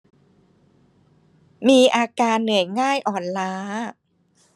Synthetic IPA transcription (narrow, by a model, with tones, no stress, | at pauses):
miː˧ʔaː˧kaː˧nːɯ˨˩˦jŋaː˥˩jʔɔː˨˩nlaː˦˥